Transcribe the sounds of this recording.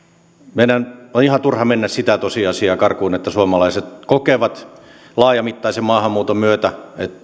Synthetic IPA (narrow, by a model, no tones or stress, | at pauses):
menænonihɑnt̪urhɑmenːæssit̪æt̪osiɑsiɑːkɑrkuinet̪ːæsuɑmɑlɑiset̪kokeːʋɑt̪ | lɑːjɑmit̪ːɑisemmɑːhɑmmːuːt̪omyøt̪æet̪